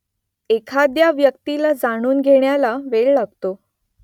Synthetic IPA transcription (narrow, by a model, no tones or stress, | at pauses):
ekʰad̪jaʋjəkt̪ilad͡zaɽ̃uːnɡʱeɳjalaʋeɭlaɡ̚t̪o